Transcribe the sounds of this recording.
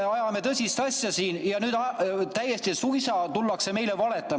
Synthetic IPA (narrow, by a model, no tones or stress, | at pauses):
eɑjɑme̞t̪ɤsʲist̪ɑsʲjɑsiːnjɑnyːd̪ɑt̪æjːest̪isujsɑt̪ulːɑkse̞me̞jlevɑle̞t̪ːˑɑm